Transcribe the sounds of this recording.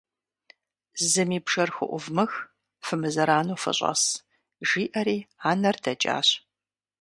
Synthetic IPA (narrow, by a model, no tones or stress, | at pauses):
zɨmiːbʒɐrxʷʊ̰ʔʷʊvmɨx | fɨmɨzɐɾaːnoːfɐ̰ɕʼɐ̰s | ʒiːʔɐɾiːaːnɐrdʰɐt͡ʃʼa̰ːɕ